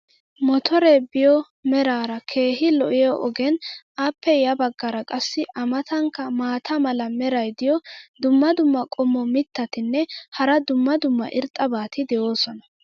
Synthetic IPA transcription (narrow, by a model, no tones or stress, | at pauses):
mɔt̪ʰɔɾeːbɪjɔ | mɛɾaːɾɐkʰe̞ːɦɪlɔʔɪjɔʔɔɡɛn | aːpːɛjɐbɐɡːɐɾɐkʼɐsːɪʔɐmɐt̪ɐŋkːɐmaːt̪ʰɐmɐlɐmɛɾɐjd̪ɪjɔd̪ʊmːɐd̪ʊmːɐkʼɔmːɔmɪt̪ːɐt̪ɪnːɛhɐɾɐd̪ʊmːɐd̪ʊmːɐ̰ʔɪɾt̪ʼːɐbaːt̪ɪd̪ɛjo̞ːsɔnɐ̥